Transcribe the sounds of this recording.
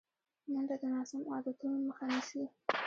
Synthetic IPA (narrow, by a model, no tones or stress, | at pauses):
nənd̪ad̪ənɑsamɑd̪at̪unoməxanisi